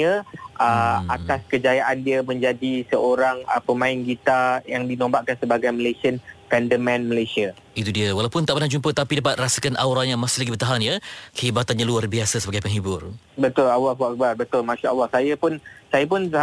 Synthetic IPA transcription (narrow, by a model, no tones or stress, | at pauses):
əʔəat̪askəd͡ʒajaʔandiəmə̃ɲd͡ʒadisəʔoɾaŋəpəmãɪnɡit̪ajaŋdinõmbaʔkansəbaɡajməlasiənkɛndəmɛ̃nməlajsia | it̪udiəwalawpʊnt̪aʔpənahd͡ʒumpət̪apidap̬at̪̚rasəkanʔa̰wɾanjamasɪhlaɡibərt̪aɦanjəkəɦibat̪anɲaluarbiasəsəbaɡajpəŋɦibʊrbət̪ʊlawakwaʔkəbarbət̪ʊlmãʃuawahsajəpʊnsajəp̬ʊn